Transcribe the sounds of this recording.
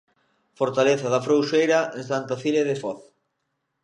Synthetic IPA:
foɾt̪aleθɐðɐfɾowʃejɾɐeŋsant̪afileðɪfɔθ

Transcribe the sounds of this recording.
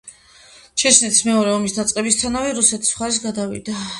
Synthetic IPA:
t͡ʃʰɛt͡ʃʰnɛt̪ʰi̥smɛɔɾɛɔmisd̪at̪sʼqʼɛbist̪sʰanavɛɾusɛt̪ʰi̥sχaɾis̬ɡad̪avḭd̪a

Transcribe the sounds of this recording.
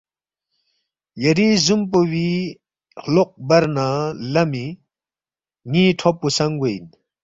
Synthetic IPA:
jɐɾizump̬owi | hloq̚bɐɾnalɐmi | ŋiʈʰopːusɐŋɡojn

